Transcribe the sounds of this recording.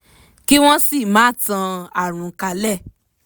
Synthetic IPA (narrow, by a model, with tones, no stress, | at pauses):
ki˦w̃ɔ̃˦si˦˨mãː˨˦tã˧a˨ɾ̃ũ˨˦ka˧lɛ˦˨